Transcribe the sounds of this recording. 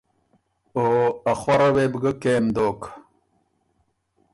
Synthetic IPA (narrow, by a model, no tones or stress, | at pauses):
oːaχwaɾɐweːbɡəkeːmd̪oːk